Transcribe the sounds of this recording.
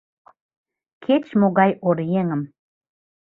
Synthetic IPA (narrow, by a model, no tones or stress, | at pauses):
kʰet͡ɕmoɣɑjʔoɾjeŋəm